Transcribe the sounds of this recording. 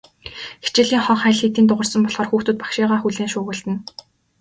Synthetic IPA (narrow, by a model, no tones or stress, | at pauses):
xi̥t͡ɕɪ̆ɮiːŋχɔɴχæːɮxet̪iːnt̪ʊʁə̆rsɞ̆mpɔɮχɔːrxuːxt̪ŭt̪̚pḁkʃiːʁaːxuɮeːŋʃʊːʁə̆ɮt̪ɘ̆n